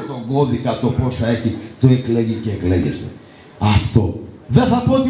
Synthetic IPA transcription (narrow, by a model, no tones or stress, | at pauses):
t̪oɡoðikɐt̪oposɐeçit̪oekleʝiceːkleʝḛst̪ḛ | ɐft̪oðeθɐpot